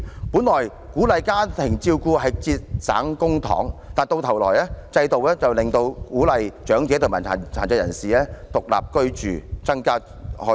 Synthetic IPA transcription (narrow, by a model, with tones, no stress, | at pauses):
puː˨˥nlɔː˨˩j | kuː˨˥lɐ˨jkaː˥t̪ʰɪ˨˩ŋt͡siː˧wkuː˧ɦɐ˨jt͡siː˧t̚sa̰ː˨˥ŋkʊ˥ŋt̪ʰɔ̰ː˨˥ŋt̪aː˨nt̪o˧wt̪ʰɐ˨˩wlɔː˨˩jlɛː˥t͡sɐ˧jt̪o˨wɛː˥t͡sɐ˨wlɪ˨ŋt̪o˧wkuː˨˥lɐ˨jt͡ʃœː˨˥ŋt͡sɛː˨˥t̪ʰʊ˨˩maː˨˩a̰ː˨˩t͡sʰaː˨˩nt͡sɐː˧jɐ̰˨˩nsiː˨lɛː˥t̪ʊ˨k̚la̰ː˨p̚kɵ˥ɥt͡ʃy̰ː˨t͡sɐ˥ŋkaː˥ | hɔ˨˥